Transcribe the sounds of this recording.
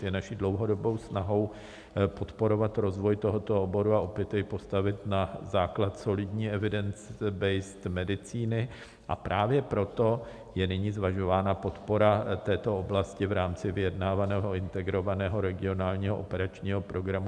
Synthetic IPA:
jɛnaʃiːdlo̞wɦo̞do̞bo̞wsnaɦo̞w | po̞t̪po̞ɾo̞vat̪ɾo̞zvo̞jt̪o̞ɦo̞t̪o̞obo̞ɾuaʔopjɛt̪ɛjpo̞st̪avɪt̪nazaːklat̪so̞lɪdɲiːɛvɪdɛnt͡sbɛjst̪mɛdɪt͡siːnɪ | ʔa̰pɾaːvjɛpɾo̞t̪o̞ | jɛnɪɲiːzvaʒo̞vaːnapo̞t̪po̞ɾat̪ɛːt̪o̞oblascɪvɾaːmt͡sɪvɪjɛdnaːvanɛːɦo̞ɪnt̪ɛɡɾo̞vanɛːɦo̞ɾɛɡɪo̞naːlɲiːɦoʔopɛɾat͡ʃɲiːɦo̞pɾo̞ɡɾamu

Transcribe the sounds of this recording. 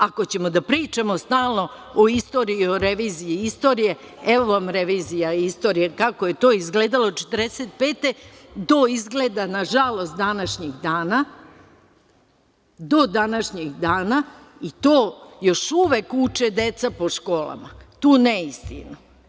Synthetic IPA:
ako̞t͡ɕe̞mo̞d̪apɾiːt͡ʃamost̪aːlˠno̞ | oist̪o̞ɾiioɾeʋiːziiist̪o̞ːɾije̞ | eʋo̞ʋamɾe̞ʋiːzijaist̪o̞ːɾijekako̞je̞t̪o̞ːizɡle̞ːd̪alˠot͡ʃe̥t̪rɾd̪eset̪̚pe̞ːt̪e̞d̪o̞izɡleːd̪anaʒalˠo̞st̪d̪anaʃɲeɡd̪aːna | d̪o̞d̪anaʃɲeɡd̪aːna | it̪oːjo̞ʃuʋekut͡ʃed̪e̞t̪sapo̞ʃko̞ːlˠa̰mat̪uːneist̪ḭno

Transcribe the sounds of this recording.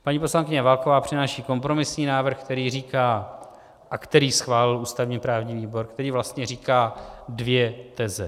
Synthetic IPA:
paɲipo̞slaŋkɪɲɛvalkovaːpr̝̥ɪnaːʃiːko̞mpɾo̞mɪsɲiːnaːvr̩xkt̪ɛɾiːriːkaː | ʔakt̪ɛɾiːsxvaːlɪluːst̪avɲiːpɾaːvɲiːviːbo̞ɾkt̪ɛɾiːvlast̪ɲɛriːkaːdvjɛt̪ɛzɛ

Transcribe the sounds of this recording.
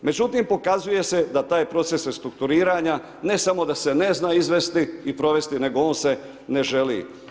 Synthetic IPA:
me̞d͡ʑut̪impo̞kazuje̞se̞d̪at̪aːjpɾo̞t̪se̞sest̪ɾuk̚t̪uɾiːɾaɲa | ne̞samo̞d̪ase̞ne̞znaːizʋest̪iipɾo̞ʋe̞st̪ine̞ɡo̞o̞ːnse̞ | ne̞ʒe̞lḭ

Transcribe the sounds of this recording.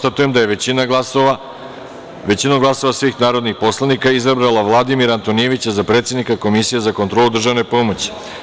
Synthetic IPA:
st̪at̪uje̞md̪ajeina | ʋe̞t͡ɕinoɡlˠaso̞ʋasʋiːxnaːɾo̞d̪nixpo̞slˠanikaizabɾalˠaʋlˠad̪imiɾant̪o̞nije̞ʋit͡ɕazapɾe̞t̪se̞d̪nikako̞misije̞zakont̪ɾo̞lud̪r̩ʒaʋne̞po̞mo̞t͡ɕi̥

